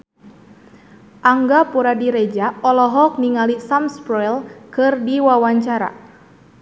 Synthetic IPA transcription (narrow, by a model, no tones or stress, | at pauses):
ʔaŋɡapuɾadiɾɛd͡ʒaɔlɔɦɔk̚niŋalisamspɾɔjlkɨrdiwawaɲt͡ʃaɾa̰